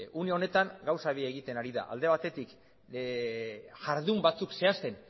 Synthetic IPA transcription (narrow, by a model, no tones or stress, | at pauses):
uneo̞ne̞t̪aŋɡawsaβiaeɣ̞it̪e̞naɾiða̰ʔa̰ld̪e̞βat̪e̞t̪ik | ʝaɾðumbat͡sukse̞ast̪e̞n